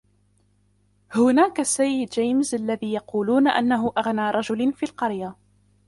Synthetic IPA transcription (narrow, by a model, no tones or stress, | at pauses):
hʊnaːkasːajːɪd̪d͡ʒajmzʔalːaðiːjɑquːluːnaʔa̰nːaɦʊʔaɣnaːɾˤɑʒʊlanfiːlqɑɾja